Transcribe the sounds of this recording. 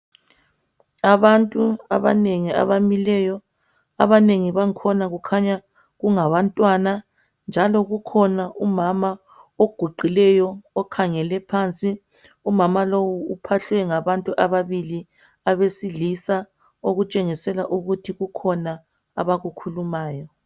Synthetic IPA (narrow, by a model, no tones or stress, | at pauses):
aβantʼuaβa̰neŋia̰βamilɛːjɔ | a̰βaneŋiβaŋkʰɔnaɣukʰaɲa | ɣuŋaβantʼwana | nd͡ʒʱalɔɣukʰɔnaʔumama | oɡ̥ʱuɡ͡ǃʱilɛjɔːkʰaŋɛlɛpʰant͡sʼi | umamalowuːpʰaɬwɛŋaβantʼuʔaβaβili | aβesilisa | oɣut͡ʃʼeŋisɛlaʔuɣutʰiɣukʰɔna | a̰βaɣukʰulumaːjɔ